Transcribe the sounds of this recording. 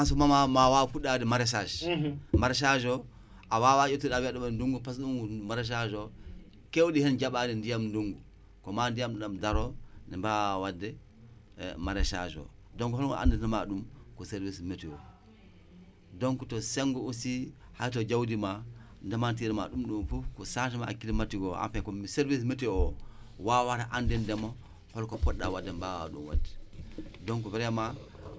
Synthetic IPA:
ansɔmamamawafuɗːadɛmaɾɛsad͡ʒmaɾɛʃ̬ad͡ʒɔ | ʔawawajotuɗawaɗɔmanduŋɡupasɗuŋɡumaɾɛʃ̬ad͡ʒɔ | kewɗihɛnd͡ʒaɓadɛndijamnduŋɡu | kɔmandijamɗamdaɾɔnɛmbawadːɛ | maɾɛʃa̰d͡ʒɔ̰ | dɔŋkɔhɔnɔ̰ʔa̰ndɛtama̰ɗumkɔseɾvismetɛɔ | dɔŋkutɔsɛŋɡɔusi | hajt̬ɔd͡ʒawdima | ndɛmantiɾɛmaɗumɗumfufkɔsatimakːilimatiɡɔa̰mfɛkɔmseɾvismetɛɔ | wawaɾaʔandɛndɛmɔ | hɔlkɔpɔɗːawadːɛmba̰ɗṵmwa̰dɛ̥dɔŋkɔbɛɾɛma

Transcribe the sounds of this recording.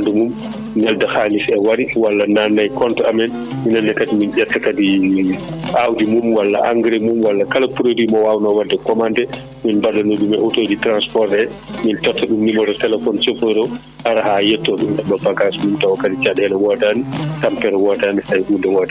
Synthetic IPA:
ndumum | nɛldahalisɛwaɾiwalːananːajkɔntɔamɛn | minandɛkadiminʔɛtːakadi | ʔawdimumwalːa̰ʔa̰ŋɡɾɛmumwalːakalapuɾodimɔwawnɔwadːɛkɔmandɛ | minbaɗɔnodumɛʔutod͡ʒitɾanspɔɾtɛmintɔtːɔɗumnimɔdɔtɛlɛfɔnsepɔɾɔ | haɾaɦajɛtːɔɗumʔɛɓabaɡasmumtawɔkadit͡ʃaɗɛlɛwɔdanitampɛɾɛwɔdanihajhundɛwɔda

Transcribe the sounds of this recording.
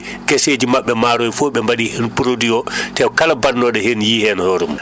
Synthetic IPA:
kesed͡ʒimaɓːɛmaːɾɔjfɔɓɛmbaɗihenpuɾodiɔtɛkalabanːɔɗɔhenjiːhɛnhoɾum

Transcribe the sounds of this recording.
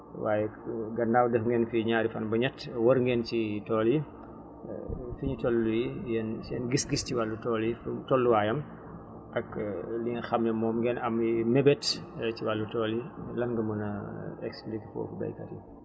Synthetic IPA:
waːjɛɡɐndawdɐfŋɡɛːnfiɲaːɾifɐnbɐɲɛtwɐɾŋɡɛːncitɔːlḭ | fiɲitɔlːujijɛnsɛːnɡisɡisciwalːutɔːlftɔlːuwaːjɐm | ʔɐklixɐmnɛmɔːmŋɡɛnɐmimɛbɛtciwalːutɔːlilɐŋɡɐmunɐɛksplikfɔ̰ːfubɐ̰jkɐ̰tḭ

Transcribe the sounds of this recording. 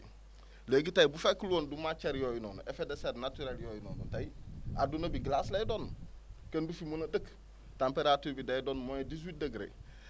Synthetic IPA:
leɡitajbufekːluoːndumat͡ʃeɾjoːjunoːno̰ʔefedeseɾnatuɾeljoːjino̰ːno̰tajadunɐbiɡlaslejdoːn | kendufimonɐdək | tampeɾatuːɾbidejdoːnmojodis̬wit̚deɡɾḛ

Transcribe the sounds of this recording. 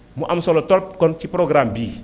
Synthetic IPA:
muʔamsolotɔɾp̚kɔnt͡ʃipɾoɡɾambi

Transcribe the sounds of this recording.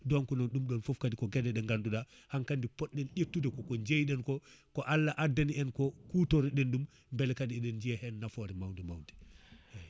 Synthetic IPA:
dɔnkɔnɔnɗumɗɔnfɔfkadikɔɡɛdɛɗɛŋɡanduɗahankandipɔɗːɛnɗetːudɛkɔkɔɲd͡ʒejɗɛnkɔkɔʔalːaʔadaniɛnkɔkutɔɾiɗɛnɗum | mbɛlɛkadiɛɗɛnd͡ʒiɛhɛnːafɔɾɛmawndɛmawndɛ

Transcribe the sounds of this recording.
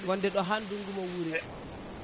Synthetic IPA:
ŋɡɔndɛɗɔɦanduŋɡumɔwuɾi

